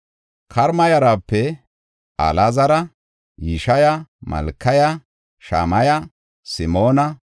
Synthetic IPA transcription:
kʰɐɾmɐjɐɾaːpːɛ | ɐ̰lazɐɾɐ | jiʃɐjɐmɐ̰lkːɐjɐ | ʃa̰ːmɐjɐ | sɪmoːnɐ

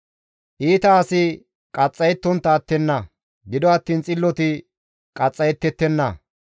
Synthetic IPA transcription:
ʔiːt̪ɐːsɪ | kʼɐt͡sʼːɐjɛt̪ːɔnt̪ːɐːt̪ːɛnːɐ | ɡɪd̪ɔɐt̪ːiːnt͡sʼɪlːɔt̪ɪ | kʼɐt͡sʼːɐjɛt̪ːɛt̪ːɛnːɐ

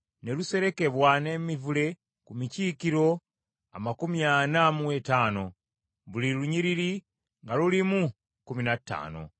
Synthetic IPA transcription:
ne̞luse̞ɾe̞ke̞βwane̞mivule̞ | kumiciːkiɾo̞ | a̰makumjanamuetaːno̞ | βuliluɲiɾiɾi | ŋɡalulimu | kuminatːa̰ːno̞̰

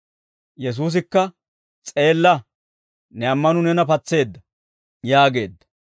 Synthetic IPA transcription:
jɛs̬uːs̬ɪkːɐ | t͡sʼe̞ːlːɐ | nɛɐmːɐnʊnɛnɐpɐt͡sːe̞ːd̪ːɐ | jaːɡe̞ːd̪ːɐ̥

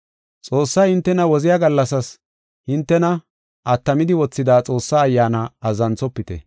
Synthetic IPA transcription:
t͡sʼo̞ːsːɐjhɪnt̪ːɛnɐwɔzɪjaɡɐlːɐsɐs | hɪnt̪ːɛnɐ | ʔɐt̪ːɐmɪd̪ɪwɔt͡sːɪd̪aːt͡sʼo̞ːsːaːjːaːnɐɐzɐnt͡sɔpːɪt̪ɛ̰

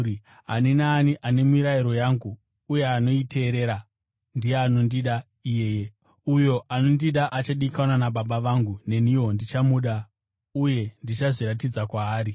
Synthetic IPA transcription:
ɦa̰ninaːniʔane̞miɾaiɾo̞jaŋɡuː | je̞ano̞ite̞ːɾe̞ːɾa | ndijeano̞ndiɗa | ije̞je | ujo̞ʔano̞ndiɗaʔat͡ʃaɗikanwanaɓaɓaʋaŋɡune̞niwo̞ndit͡ʃamuɗa | uje̞ndit͡ʃaʐiɾatid͡zakwaːɾi

